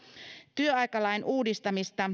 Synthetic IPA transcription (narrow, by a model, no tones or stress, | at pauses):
t̪yøɑjkɑlɑjnʔuːdist̪ɑmist̪ɑ